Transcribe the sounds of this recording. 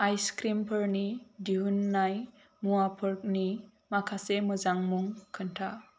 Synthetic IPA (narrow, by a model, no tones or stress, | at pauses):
ajskɾimpʰəɾnidiɦunːaj | muwapʰɯɾk̚ni | makʰasemɯzaŋmuŋkʰɯntʰa